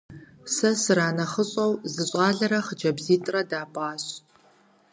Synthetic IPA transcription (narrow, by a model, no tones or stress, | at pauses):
sɐsɨɾaːnɐχəɕʼɐwzɨɕʼɑːɮɐɾɐχəd͡ʒɐbziːtʼrɐdaːpʼaːɕ